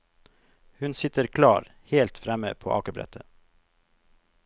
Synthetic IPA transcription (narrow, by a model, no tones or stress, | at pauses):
hʉnsɪt̪əɾkʰlɑːɾ | heːlt̪fɾɛmə̰pʰo̰ːʔɑːkəbɾɛ̰t̪ʰə